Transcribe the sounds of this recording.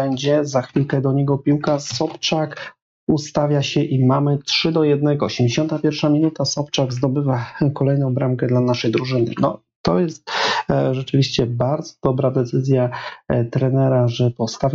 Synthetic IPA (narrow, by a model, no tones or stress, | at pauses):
ɛɲd͡ʑɛzaxfʲilkɛd̪ɔɲɛɡɔpʲiwkasɔpt͡ʂak | ust̪avʲjaɕɛʔimamɘtʂɘd̪ɔjɛd̪̚nɛɡɔːɕɛmd͡ʑeɕɔnt̪apʲjɛɾfʂamʲinut̪asɔpt͡ʂaɡzd̪ɔbɘvakɔlɛjnɔ̃w̃bɾamkɛd̪lanaʂɛjd̪ɾuʐɘnɘ̰nɔ̰ | t̪ɔ̰jɛst̪̚ʐɛt͡ʂɘvʲiɕt͡ɕɛbaɾd̪zɔ̥d̪ɔbɾad̪ɛt̪sɘzʲjat̪ɾɛnɛɾaʐɛpɔfst̪avʲ